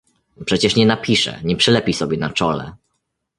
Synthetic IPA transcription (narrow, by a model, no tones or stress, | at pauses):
pʂɛt͡ɕɛʂɲɛnapʲiʂɛ̰ɲɛpʂɛlɛpʲijsɔbʲjɛnat͡ʂɔlɛ̰